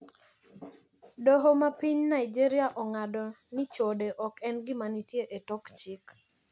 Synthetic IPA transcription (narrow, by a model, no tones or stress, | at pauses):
doɦomapiɲnaɪd͡ʒiɾiaʔɔŋadɔnɪt͡ʃodeʔɔkɛnɡɪmanitjeʔetɔkt͡ʃik